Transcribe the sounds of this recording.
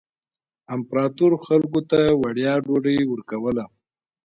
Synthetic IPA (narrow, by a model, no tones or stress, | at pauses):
ɪmpɾɑt̪uɾoxalkot̪awaɽjɑɖoɖəjwəɾkawəla